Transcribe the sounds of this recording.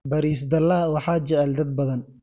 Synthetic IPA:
bɐɾiːsd̪ɐlɐwɑħɑt͡ʃɛʕɛld̪ɐd̪̚bɐðɐn

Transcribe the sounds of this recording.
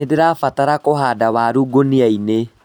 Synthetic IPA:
edeɾafataɾakoɦaːdawaːɾuːɡoniaine

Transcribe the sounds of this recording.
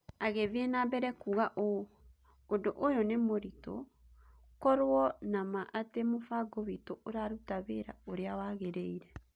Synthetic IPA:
aɣeβenabɛɾɛkuːɣaʔo | ondoʔojɔnemoɾito̰ | kɔɾwɔnamaʔatemofaɡoβitooɾaɾutaβeɾa̰oɾeawaɣeɾeiɾɛ

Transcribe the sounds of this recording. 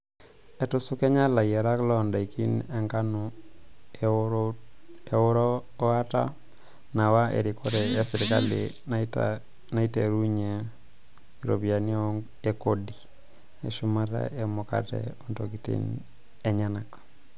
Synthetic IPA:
ɛtusukeɲalajɛɾaklɔndaikinɛŋkanu | euɾ | ata̰ | nawaʔḛɾikoɾɛesiɾkalḭ | nta | naiteɾuɲe | iɾo̰bianiɔ | ekodi | eʃumata̰ʔemoka̰tḛuntokitḭn | eɲanak

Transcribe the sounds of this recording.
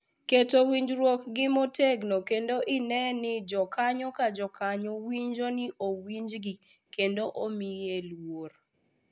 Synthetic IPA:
ketowiɲd͡ʒɾwokɡɪmoteɡnokendoʔɪnɛnɪd͡ʒɔkaɲɔkad͡ʒɔkaɲowiɲd͡ʒonɪʔowiɲd͡ʒɡɪ | kendoʔomijelwor

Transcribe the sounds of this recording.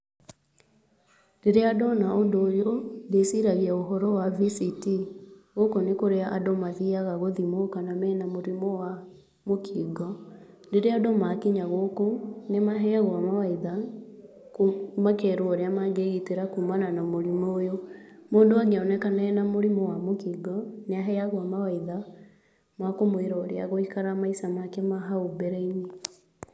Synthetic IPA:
ndeɾeadɔnaondoːjondesiɾaɣiaoɦɔɾɔwavisitiɣokonekoɾeaʔadɔmaðiaɣaɣoðimokanamɛːnamoɾimɔwa | mokʰiːɡɔ | ndeɾeadɔmakiɲaɣokonemaɦɛɣwamawaiða | komakɛɾwɔɾeamaɡeɣiteɾakumananamoɾimoːjo | moːndowaɡɔnɛkanɛːnamoɾimowamokiːɡɔneaɦɛaɣwamawaiða | mwakomoeɾɔːɾea̰ɣoikaɾamaisamakɛmaɦaobɛɾɛiɲe

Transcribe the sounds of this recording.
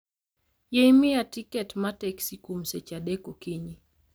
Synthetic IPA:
jejmɪjatikɛtmatɛksikumset͡ʃadɛkokiɲi

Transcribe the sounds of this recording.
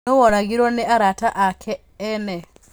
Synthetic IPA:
owoɾaɣiɾwɔneʔaɾataʔakʰeː | ne

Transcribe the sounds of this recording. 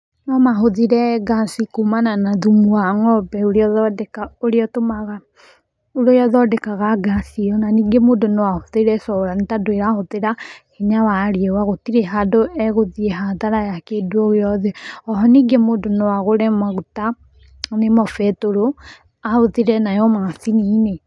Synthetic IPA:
nɔmaɦoðiɾɛɡasikomananaðumuaŋɔbɛuɾeɔðɔdɛkaoɾeɔtomaɣa | uɾojɔðɔdɛkaɣaɡasiɔnaniɡemoːndonowahoðeɾɛsɔɾanetadoeɾahoðeɾaheɲawaɾiɛwaɣotiɾeɦadoɛɣoðieɦaðaɾajakeduɔɣeɾɔðeɔɦɔniɡemodonɔwaɣoɾɛmaɣuta | nemɔfɛtoɾo | ahoðeɾɛnajɔmaθinine

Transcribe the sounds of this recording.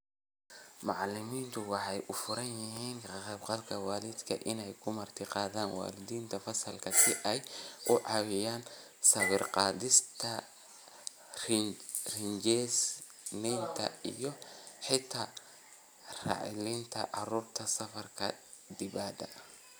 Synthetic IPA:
mɑʕlɪmiːnt̪ʰʊwɑħɑjʔʊfʊɾɐnjɪɦiːnkɑqɛbqɑlkʰɐwɑːlɪd̪kʰɐʔɪnɛjkʰʊmɐrt̪ʰɪqɑːðaːnwɑ̰ːlɪd̪iːnt̪ʰɐfɐsɐlkʰɐsɪʔɛjʔʊʕɑwɪjaːn | sɐβɪrqɑːðɪst̪ʰɐ | rrɪɲd͡ʒɛs | nɛjnt̪ʰɐ̰ḭjɔħɪt̪ʰa | rɑ̰ːʕɪ̰lint̪ʰɐ̰ʔɑruːrt̪ʰɐsɐfɐrkʰɐ | d̪ɪbaːd̪ɐ̰

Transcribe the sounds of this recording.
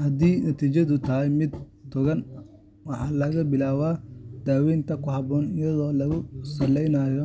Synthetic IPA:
hɐd̪iːnɐt̪ʰiːt͡ʃɐðʊt̪ʰɐɦɛjmɪd̪t̪ʰʊɣɐn | wɑħɑːlɐɣɐbɪlaːwaːd̪̥aːwɛjnt̪ʰɐkʰʊhɑβɔːnɪjɐðɔːlɐɣʊsɐlɛjnaːjɔ

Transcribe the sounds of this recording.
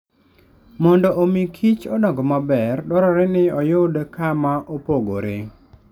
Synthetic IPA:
mɔndɔʔomikʰit͡ʃɔdɔɡɔmabɛrdɔɾɔɾenɪɔjʊdkamaʔopoɡo̰ɾḛ

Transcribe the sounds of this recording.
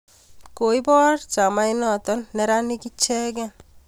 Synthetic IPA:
koibɔɾt͡ʃamajnɔt̪ɔnːɛɾanikit͡ʃʰɛɡɛn

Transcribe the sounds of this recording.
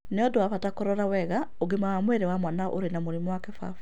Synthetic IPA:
neɔdoafatakoɾɔɾawɛɣa | oɡemawamweɾewamwanaʔo̰ɾenamoɾimɔwakɛfa̰fu̥

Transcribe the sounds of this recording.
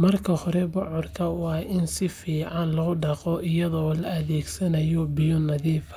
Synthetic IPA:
mɐrkʰɐhɔɾɛbʊʕɔrkʰɐʊɑʔɪnsɪfiːʕɑnlɐɣʊɖɑqɔʔɪjɐðɔːlɐɐðɛːɡsɐnɐjɔbɪjɔnɐðiːfɐ̥

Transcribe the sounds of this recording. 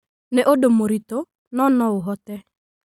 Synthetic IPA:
nɛʔodomoɾito | nɔnɔʊɦɔtɛ

